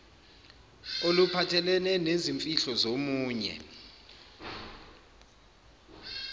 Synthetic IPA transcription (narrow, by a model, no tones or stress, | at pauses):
olupʰatʰɛlɛnɛneziɱfʼiɬɔzomuːɲɛ̰